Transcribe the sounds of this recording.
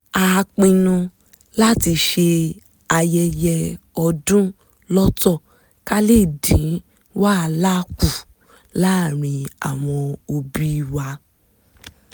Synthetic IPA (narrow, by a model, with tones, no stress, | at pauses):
a˧a˧k͡pĩ˧nũ˧ | la˦ti˧ʃe˧ | a˧jɛ˧jɛ˧ɔ˧dũ˦ | lɔ˦tɔ˦˨ | ka˦le˦˨dĩ˨˦ | wa˦˧la˦ku˦˨ | la˦˨ɾ̃ĩ˧a̰˨w̃ɔ̃˧o˧bi˦˧wa˧